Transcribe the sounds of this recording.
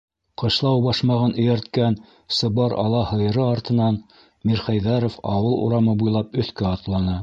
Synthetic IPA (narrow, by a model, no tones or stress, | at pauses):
qɤ̆ʃlˠɑwbɑʃmɑʁɤnʔɵ̆jæɾt̪̚kæn | sɤ̆βɑɾɑ̰lˠɑhɤ̆jɤ̆ɾɤɑɾt̪ɤ̆nɑn | miɾχæjðæɾofɑwɤlˠṵɾɑmɤbujlˠɑpɵ̆θkæɑt̪lˠɑnɑ